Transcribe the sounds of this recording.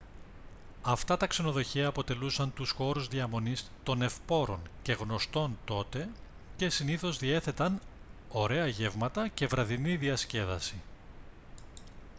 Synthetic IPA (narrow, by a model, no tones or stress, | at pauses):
ɐft̪ɐt̪ɐkse̞no̞ðo̞çiɐːpo̞t̪e̞lusɐnt̪usxo̞ɾuzðiɐmo̞nist̪o̞ne̞fpo̞ɾo̞̰nce̞ɣno̞st̪o̞nt̪o̞t̪e̞ | ce̞siniθo̞zðie̞θe̞t̪ɐno̞ɾe̞ɐʝe̞vmɐt̪ɐce̞vɾɐðiniðiɐsce̞ðɐsi